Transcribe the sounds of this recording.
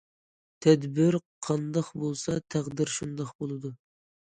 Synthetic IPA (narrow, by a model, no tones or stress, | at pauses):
t̪ʰɛd̪bɪɾqʰɑnd̪ɑχbolˠsɑt̪ʰæʁd̪ɪɾʃund̪ɑχbolˠɨd̪u